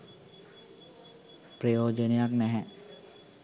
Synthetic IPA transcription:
pɾiod͡ʒəniak̚nɛɦɛʔ

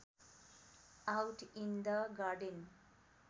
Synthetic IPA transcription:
awʈind̪əɡaɾɖən

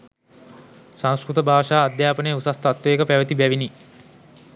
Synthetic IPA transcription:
sãŋ̃skɾut̪əbʱaːʂaːd̪jaːpənejusast̪at̪ʋeːkəpæʋət̪ibæʋini

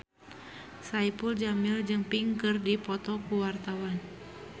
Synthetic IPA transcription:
saipuld͡ʒamild͡ʒɨŋpiŋkɨrdipɔt̪ɔkuwart̪awan

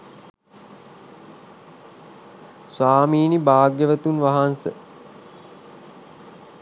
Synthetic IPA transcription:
sʋaːmiːnibaːɡjəʋət̪unʋaɦansə̰

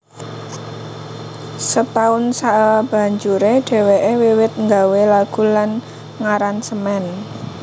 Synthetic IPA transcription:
sət̪aʊnsaʔab̥ä̤ɲd͡ʒuɾeɖ̥e̤weʔewiwɪt̪̚ŋɡawelaɡ̥ṳlan | ŋaɾansəmɛn

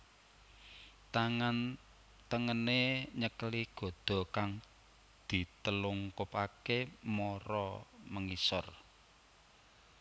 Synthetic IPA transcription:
n | t̪əŋəneɲəkəliɡ̥ɔ̤d̪̥ɔ̤kaŋ | d̪̥i̤t̪əlʊŋkopakemɔɾɔməŋisɔ̰r

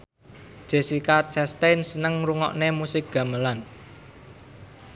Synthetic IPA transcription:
ʒ̥e̤sikat͡ʃɛst̪ensənəŋɾuŋɔ̰ʔnemusɪk̚ɡ̥a̤məlan

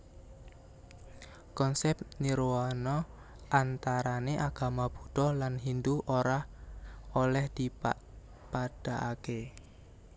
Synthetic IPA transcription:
kɔnsɛpniɾoanɔ | ʔant̪aɾaneʔaɡ̥a̤mab̥uɖ̥ɔlanɦind̪uʔoɾah | olɛhd̪̥ipa | pad̥aʔake

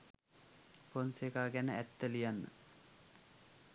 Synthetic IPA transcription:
ponsekaːɡænəʔæt̪ːəlijanːə̰

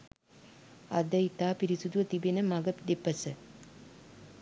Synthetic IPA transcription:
ɐ̰d̪əit̪aːpiɾisud̪uʋət̪ibenəmaɡəpd̪epəsə

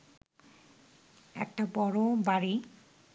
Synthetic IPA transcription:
ɛ̰k̚tabɔɹɔbaɹi

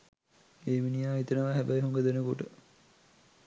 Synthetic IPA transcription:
eːʋinijaːit̪ənəʋaɦæbæjɦoŋɡəd̪enəkoʈə

